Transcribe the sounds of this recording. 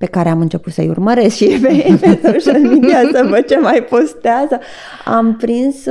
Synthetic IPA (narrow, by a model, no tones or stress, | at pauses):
pe̞kaɾe̞amɨnt͡ʃe̞put̪səjṵrməɾe̞skʃipepesot͡ʃalmid̪iasəvət͡ʃemajpo̞st̪eazə | a̰mpɾins